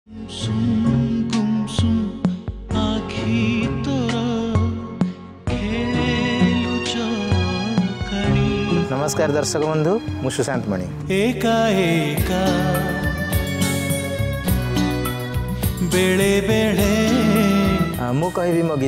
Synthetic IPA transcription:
msumɡumsum | aːkʰit̪ɔɾɐ | kʰeːɭelut͡ʃɐ | kɐɳinɐmɐskaːɾd̪ɐɾʃɐkɐmɐnd̪umuʃusaːnt̪mɐɳi | eːkaɦeka | beɭebeɭe | mukɐɦiʋimoɡi

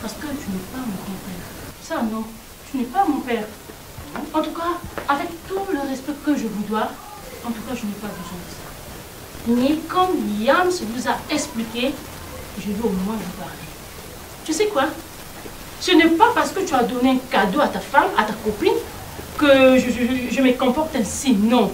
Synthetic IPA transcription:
paʁsə̥kət̪ynɛpamɔ̃ɡʁɔ̃pɛːʁsanɔ̃ | t̪ynɛpamɔ̃pɛːʁ | ɑ̃t̪ukaːvɛkt̪uləʁɛspɛkəʒəvud̪wa | ɑ̃t̪ukaʒənɛpabəzwɛ̃d̪əsḁ | mɛkɔ̃mjãmsəvuzaɛksplikʲe | ʒəd̪iomw̃ɛ̃vupaʁlɛ | ʒ̥əsɛkwa | sənɛpapaʁsə̥kət̪yad̪ɔneɛ̃kad̪oat̪afamat̪akɔpin | kəʒəʒʒəməkɔ̃pɔʁt̪ɛ̃sinɔ̃

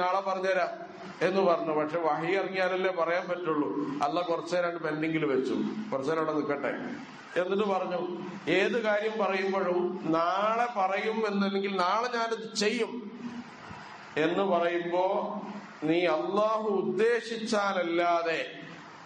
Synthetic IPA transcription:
naːɭepɐrɐɲːɐɐɾaː | e̞nːɨpɐrɐɲːupɐʈkʂe̞ːʋɐɦijɐriŋːjaːlɐlːepɐrɐjaːnpɐtːuɭːuɐ̰lːakurɐt͡ɕːɐːɾaːɳɖɨpenɖeŋɡiluʋet͡ɕːṵkurɐt͡ɕːaːɾaːɽenikːɐʈːḛ | enːiʈ̬ːɨpɐrɐɲːu | e̞ːðɨkaːɾjɐmpɐrɐjumboɻumnaːɭe̞pɐrɐjume̞nːenːeŋɡilnaːɭɲaːneðɨt͡ɕe̞jːum | e̞nːɨpɐrɐjumbo̞ː | niːɐlːaːɦuːd̪ːe̞ːɕit͡ɕːaːnɐlːaːðe̞

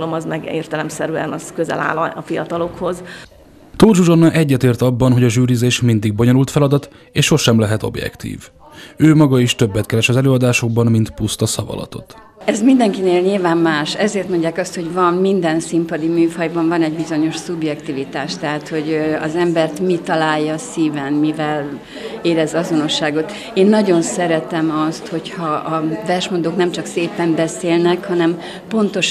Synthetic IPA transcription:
lomɒzmɛɡḛːrt̪ɛlɛmsɛɾyɛ̰nɒzkøzɛ̰la̰ːlɒfijɒt̪ɒlo̞kho̞z | t̪oːd͡ʒuʒonːɒʔɛɟːɛt̪eːrt̪ɒbːɒnɦoɟɒʒyːɾizeːʃmind̪iɡ̚bo̞ɲo̞nult̪fɛlɒd̪ɒt̪ | eːʃhoʃɛmlɛɦɛt̪o̞̰bjɛ̰kt̪ḭːv | øːmɒɡɒiʃt̪ø̞bːɛt̪kɛɾɛʃɒzɛløːɒd̪aːʃo̞ɡ̚bɒnmint̪pust̪ɒsɒvɒ̰lɒ̰t̪o̞̰t̪ | ɛzmind̪ɛŋkineːlɲilvaːmːaːʃɛzeːrt̪mo̞ɲɟːaːkɒst̪ho̞ɟvɒmmind̪ɛnsimpɒd̪imyːfɒjbɒɱvɒnɛɟbizo̞ɲo̞ʃsubjɛkt̪ivit̪aːʃt̪ɛɦaːt̪ho̞ɟɒ̰zɛmbɛrt̪mit̪ɒlaːjːɒsiːvɛnmivɛl | eːɾɛzɒzo̞no̞ʃːaːɡo̞t̪ | eːnːɒɟo̞nsɛɾɛt̪ɛmɒst̪ho̞chɒʔːvɛrʃmond̪oːknɛmt͡ʃɒkseːpɛmbɛseːlnɛkhɒnɛm | po̞nt̪o̞ʃ

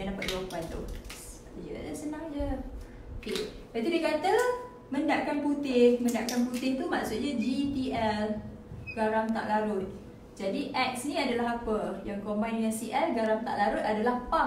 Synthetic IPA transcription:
aŋdapat̪̚ɡuapant̪ṵad͡ʒṵa̰dasənãŋd͡ʒə | oke | bat̪udekat̪ə | mə̃ndaʔkanput̪ɪhmə̃nda̰ʔkanput̪ɪht̪umaʔsʊt̪̚ɲad͡ʒip̪iʔɛl | ɡ̥aɾamt̪a̰ʔlaɾʊt̪̚ | d͡ʒadiʔɛk̚snĩadalaɦapəjaŋkombajnɲasiʔɛlɡaɾamt̪a̰ʔlaɾʊt̪adalahpa

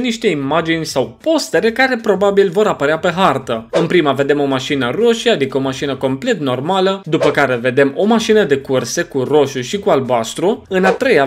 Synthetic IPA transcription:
niʃt̪e̞imad͡ʒinʲsawpo̞st̪e̞ɾekaɾe̞pɾo̞babilvo̞ɾapəɾeape̞ɦart̪əɨnpɾiməve̞d̪e̞mo̞maʃinəro̞ʃiad̪ikəo̞maʃinəko̞mple̞t̪no̞rmaləd̪upəkaɾe̞ve̞d̪e̞mo̞maʃinəd̪e̞kurse̞kuro̞ʃuʃikualbast̪ɾuɨnat̪ɾe̞ja

